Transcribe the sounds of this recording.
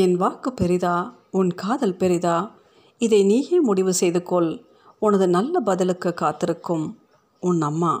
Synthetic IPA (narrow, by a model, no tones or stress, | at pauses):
ɛnʋaːkɯpːɛɾɪðaː | ʊnkaːðɐlpɛɾɪðaː | ɪðɐɪniːɣeːmʊɽɪʋɯsɛjðɯkːɔl | ʊnɐðɯnɐlːɐbɐðɐlɯkːɯkːaːt̪ːɪɾɯkːɯm | ʊnːɐmːaː